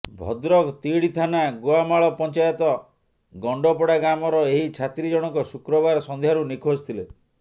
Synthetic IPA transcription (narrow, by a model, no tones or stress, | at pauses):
bʱɔ̰d̪ɾɔkt̪iɽit̪ʰanaɡoamaɭɔpɔnt͡ʃajɔt̪ɔ | ɡɔɳɖɔpɔɽaɡɾamɔɾɔeɦit͡ʃʰat̪ɾid͡ʒɔɽ̃ɔŋkɔsukɾɔbaɾɔsɔnd̪ʱjaɾunikʰost̪ʰile